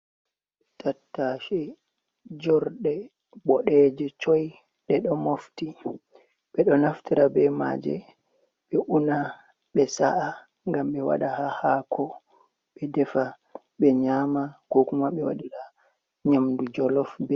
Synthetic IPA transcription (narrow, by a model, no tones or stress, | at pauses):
ɓɛtʰatːaʃɛ | d͡ʒɔɾɗɛ | bɔɗɛd͡ʒɛt͡ʃɔj | ɗɛɗɔmofti | ɓɛɗɔnaftiɾabɛma̰ːd͡ʒɛ̰ | ɓɛʔuna | ɓɛsa̰ʔa | ŋɡamɓɛwa̰ɗahahakʰɔ | ɓɛdɛfa | ɓɛɲamakɔkumaɓɛwa̰ɗiɾa | ɲamdud͡ʒɔlɔfbɛ